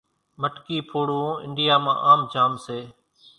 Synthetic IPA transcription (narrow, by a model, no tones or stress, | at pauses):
məʈkiːpʰoːɽũːɪ̰ɳɖɪjaːmã̰ːʔaːmd͡ʒaːmseː